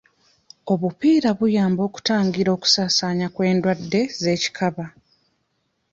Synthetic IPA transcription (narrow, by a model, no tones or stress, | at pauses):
o̞βupiːɾaβujaːmbo̞ːku̥taːŋɡiɾo̞ːku̥saːsaːɲakwe̞ːndwadːe̞ze̞ːci̥kʰaβa